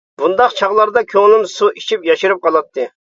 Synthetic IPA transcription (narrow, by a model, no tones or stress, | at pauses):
bund̪ɑqt͡ʃʰɑʁlˠɑɾd̪ɑkʲʰøŋlɪmsuit͡ʃʰipjɑʃɨɾɨp̚qʰɑlˠɑt̪ʰːɨ